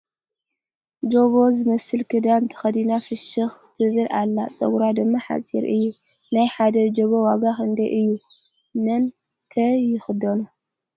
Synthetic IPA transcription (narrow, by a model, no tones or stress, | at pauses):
d͡ʒo̞βo̞zɨmɐsɨlkʰɨd̪amt̪ʰɐ̥xɐd̪inafɨʃɨxt̪ʰɨβɨlʔalːat͡sʼɐ̰ɡuɾad̪ɨmːaħa̰t͡sʼḭɾɨjːu | najħad̪ɐd͡ʒoβowaɡaxɨnd̪ɐʔɨjːu | mɐn | kʰɐjɪxɨd̪onu